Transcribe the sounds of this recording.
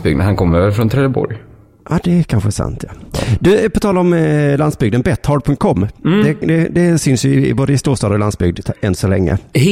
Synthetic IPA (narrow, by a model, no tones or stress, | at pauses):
bʏɡd̪ə̰nhankʰɔmːəɾøːvəɾfɾɔnt̪ʰɾɛd̪əbɔ̰ɾj | ʔɑd̪ɛkʰanɧəæsa̰nt̪ʰjɑd̪ɵpʰɔt̪ʰɑːlaɾɔmlansbʏɡd̪ənbɛt̪ːhɑːɖpʰɵŋt̪̚kʰɔmːd̪ɛd̪ɛd̪ɛsʏnsjɵɪɪ̰boːd̪əɪst̪uːɾʂt̪ɑːd̪əɾɔlansbʏɡd̪ɛnsɔlɛ̰ŋːə̰